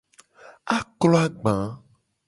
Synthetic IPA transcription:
a˦klɔ˦a˦ɡ͡bã˨˦

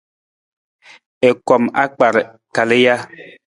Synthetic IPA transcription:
e˨kɔ˨ma̰˦k͡pa˨ɾ | ka˨le˦ja˦

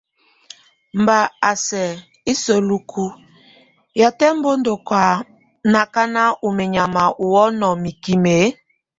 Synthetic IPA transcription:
m̩˨ba˨a˨sɛ˨ | i˦so˨lu˨kʰu˦ | ja˨tɛ˦m̩˦bo˦ndo˨kwa˨ | na˨ka˦na˦ʔu˨me˨ɲa˨ma˨ʔu˨wɔ˦nɔ˨mi˨ki˨me˨˦

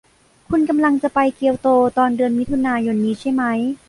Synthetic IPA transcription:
kʰu˧nka˧mla˧ŋt͡ɕa˨˩ʔpa˧jki˧əwt̪oː˧t̪ɔː˧ndɯ˧ənmi˦˥t̪ʰu˧naː˧jo˧nːiː˦˥t͡ɕʰa˥˩jma˦˥j

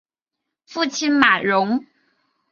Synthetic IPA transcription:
fu˥˩t͡ɕʰi˥nma˨˩ɻʊ˧˥ŋ

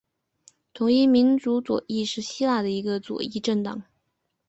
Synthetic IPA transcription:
t̪ʰʊ˧˥ŋi˥˩mi˧˥nt͡su˧˥t͡swɔ̰˨˩˦i˥˧ʂɻ̩˥˩ɕi˥la˥˩d̪ə˩i˧˥ɡə˧t͡swɔ̰˨˩i˥˧ʈ͡ʂə˥˩nt̪ɑ˨˩˦ŋ

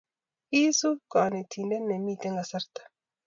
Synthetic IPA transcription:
i˦su˦kaː˨ni˨t̪ʰi˨nde˦nːe˨miː˨t̪e˦ŋɡa˨sɐ˦ɾt̪ḁ˦

